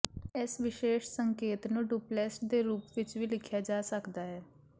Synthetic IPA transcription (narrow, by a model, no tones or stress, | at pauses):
ɪsʋɪʃeːʃsəŋkeːt̪nũːɖuːplɛːsʈ̚d̪eːɾuːpʋɪt͡ʃʋiːlɪkʰjaːd͡ʒaːsəkd̪aːɦɛː